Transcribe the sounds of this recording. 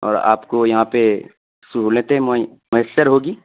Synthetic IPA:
ɔ̰ːɾa̰ːpkojɐɦãpe | sʊɦulẽt̪eɦ | mʊjəsːəɾɦoːɡiː

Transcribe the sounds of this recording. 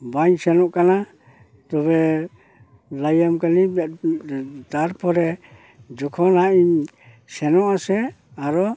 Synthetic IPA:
baɲsɛnɔʔkana | t̪ɔβɛ | lajamkani | t̪aɾpʰɔɾɛ | d͡ʒɔkʰɔnaʔiɲ | sɛnɔʔasɛ | aɾɔ

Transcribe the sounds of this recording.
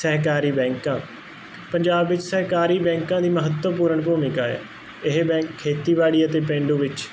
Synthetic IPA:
sɛɦkaːɾiːbɛ̃ːŋkãː | pəɲd͡ʒaːbʋɪt͡ʃsəɦkaːɾiːbɛ̃ːŋkãːd̪iːməɦət̪wəpuːɾəɳpoːmɪkaːɛ̰ː | ɪɦbɛ̃ːŋkʰːeːt̪iːʋaːɽiːət̪eːpẽːɳɖũːʋɪt͡ʃ

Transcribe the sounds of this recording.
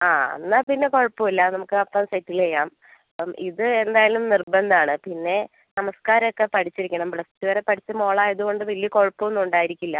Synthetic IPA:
aːɐ̰nːapinːe̞ko̞ɻpːuilːɐnɐmukːɨɐpːɐnsɐjtːilkejːaːm | iðɨend̪aːjalumnirbɐnd̪aːɳɨpinːe̞ | nɐmɐskaːɾɐokːe̞pɐʈʰit͡ɕːiɾikʲːɐɳɐmbɭɐstːɨʋɐɾe̞pɐʈʰit͡ɕːɨmo̞ːɭaːjɐðuɣo̞ɳɖɨʋɐlijɐko̞ɻpːuenːuɳɖaːjiɾikʲːilːɐ

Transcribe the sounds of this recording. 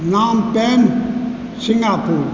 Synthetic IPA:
nɑmpem | sinæpu

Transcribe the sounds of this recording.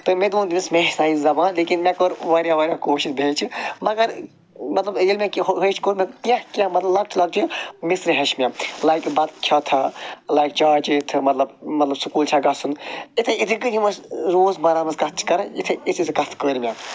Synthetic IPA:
t̪ɨmed̪uːnd̪imismesaːizɐbaːnleːkinmʲekəɾʋaːɾjaʋɐːɾʲjãkoːʃisbʱeːt͡ʃʰimɐɡɐɾ | mɐt̪lɐbilmʲakɦəːt͡ʃʰkoːɾmʲɐkʲãhkʲãmɐt̪lɐblɐk̚t͡ʃʰlɐɡ̚t͡ʃʰimisɾɨɦeʃmʲalaːjkbɐt̪kʲʰat̪ʰɐlaːjk̚t͡ʃaːt͡ʃit̪ʰɨmɐt̪lɐbmɐt̪lɐbsukuːlt͡ʃʰaɡɐsunit̪ʰeit̪ʰɨkɨjimɐsɾoːzbɐɾaːmɐskɐt̪̚ʰt͡ʃʰi̥kɐɾɐit̪ʰɐit̪ʰisʰkɐt̪ʰkəːɾmʲa

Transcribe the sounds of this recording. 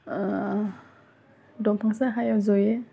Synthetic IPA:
dɔmpʰaŋsaɦajawzɔje

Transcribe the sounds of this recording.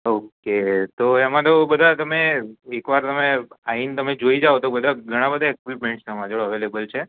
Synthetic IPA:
oket̪oemãt̪obəd̪ʱat̪əmeekʋaɾt̪əmeaint̪əmed͡ʒoid͡ʒaot̪obəd̪ʱaɡʱəɽ̃ãbəd̪ʱaekʋipmẽɳʈsəmãd͡ʒəɭəʋelebəlt͡ʃʰe

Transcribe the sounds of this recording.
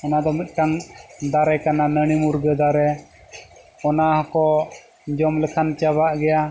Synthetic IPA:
ɛnad̪ɔmɛt̪̚ˀkaŋd̪aɾɛkananəɽ̃imuɾɡəd̪aɾɛ | ɔnaɦɔkɔ | d͡ʒɔmlɛkʰant͡ʃabaʔɡɛja

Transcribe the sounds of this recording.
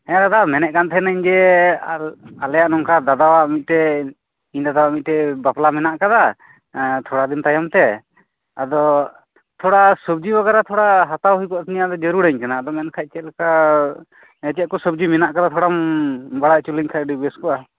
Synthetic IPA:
ɛd̪ad̪amɛnɛʔ̚kant̪ʰɛɛnaɲd͡ʒɛ | alɛjaʔnɔŋkad̪ad̪awaʔmit̪̚ˀʈɛ | iɲd̪ad̪awaʔmit̪̚ʈɛbaplamɛnaʔkad̪a | t̪ʰɔɽad̪int̪ajamt̪ɛ | ad̪ɔ | t̪ʰɔɽasəb̚d͡ʒibaɡaɾat̪ʰɔɽaɦat̪awɦujkɔʔt̪ʰnijad̪ɔd͡ʒəɾuɽaɲkanaːd̪ɔmɛnkʰac̚t͡ʃɛt̪̚lɛka | ɛt͡ʃɛt̪̚kɔsəbd͡ʒimɛnaʔkad̪at̪ʰɔɽambaɽaʔt͡ʃuliŋkʰac̚ɖibɛskɔʔa

